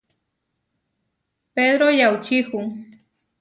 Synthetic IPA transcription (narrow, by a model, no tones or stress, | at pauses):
ped̪ɾojawt͡ʃɪkʊŋ